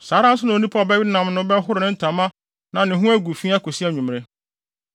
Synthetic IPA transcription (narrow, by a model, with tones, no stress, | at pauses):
saː˨˦ɾã˦n̩˦s̬ʊ˦nã˨o˦nĩ˦pʰa˦ɔ˨bɛ˦ɥi˦nã˨m˨nʊ̃˦bɛ̃˦ɦʊ˦ɾɪ˨nɪ̃˦n̩˦tʰã˨mã˦ | nã˨nɪ̃˨ɦʊ̃˦æ˦ɡu˨fi˦a˦ko˨si˦a˦˨ɲũ˨m̃˨ɾɪ̃˦